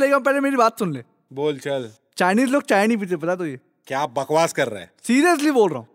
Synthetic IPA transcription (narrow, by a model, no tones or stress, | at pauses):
leːɡãmpɛːlemeːɾibaːt̪sʊnleː | boːlt͡ʃɐl | t͡ʃaːjniːzloːɡ̚t͡ʃaːjnip̬it̪ep̬ɐt̪at̪̬oːjeː | kjaːbɐkʋaːskɐɾːa̰ɛ̰siːɾijəs̬liboːlɾəɦõː